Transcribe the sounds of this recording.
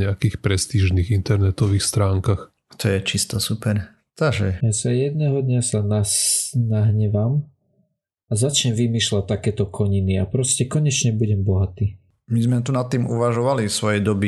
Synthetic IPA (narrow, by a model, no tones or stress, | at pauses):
ɲɛakiːxpɾɛst̪iʒniːɣint̪ɛɾnɛt̪ɔʋiːxst̪ɾaːŋkax | at̪ɔjɛt͡ʃist̪ɔsupɛɾ | t̪aɡʒɛjasajɛd̪nɛɦɔd̪ɲasananaɦɲɛʋam | azat͡ʃɲɛmʋimiːʃlac̚t̪ːakɛːt̪ɔkʰɔɲiniapɾɔscɛkɔɲɛt͡ʃɲɛbuɟɛmbɔɦat̪iː | mizmɛt̪unat̪ːiːmuʋaʒɔʋalisʋɔjɛjd̪ɔbi